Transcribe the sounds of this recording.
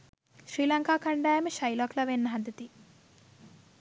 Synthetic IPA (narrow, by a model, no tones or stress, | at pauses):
ʃɾiːlɐŋkaːkɐɳɖaːjɐmiʃɐjlɔklɐʋenːɐɦɐd̪ɐt̪i